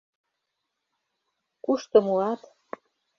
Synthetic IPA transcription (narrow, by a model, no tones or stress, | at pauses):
kuʃt̪ɤ̆mulɑt̪